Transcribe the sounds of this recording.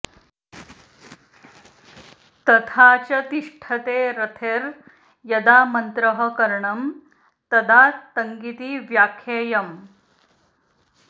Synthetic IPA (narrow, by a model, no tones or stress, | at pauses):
t̪ɐt̪ʰaːt͡ʃɐt̪iʂʈʰɐt̪eːɾɐt̪ʰeːɾ | jɐd̪aːmɐnt̪ɾɐɦɐ̆kɐɾɳɐm | t̪ɐd̪aːt̪ɐŋɡit̪iːʋjaːkʰeːjɐm